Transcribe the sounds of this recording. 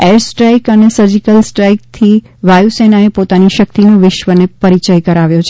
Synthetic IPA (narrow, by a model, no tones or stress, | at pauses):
ɛɾsʈɾajkənesəɾd͡ʒikəlsʈɾajk̚t̪ʰi | ʋajusenaepot̪aniʃək̚t̪inoʋɪʃʋənepəɾit͡ʃəjkəɾaʋjõt͡ʃʰ